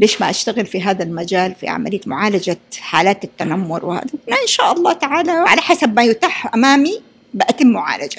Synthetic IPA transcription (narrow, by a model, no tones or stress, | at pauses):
leːʃmaʔaʃt̪aɣɪlfiɦaːðalmad͡ʒaːlfḭʕa̰ma̰lɪjːamʊ̰ʕaːlad͡ʒaħaːlaːt̪ɪt̪ːanamːʊɾwɪha̰ːd̪anaʔɪnʃaːʔɑlˤːɑːt̪aʕaːlaʕa̰laħasabmajʊt̪aːħʔamaːmi | bɪʔat̪ɪmːʊʕa̰ːlad͡ʒa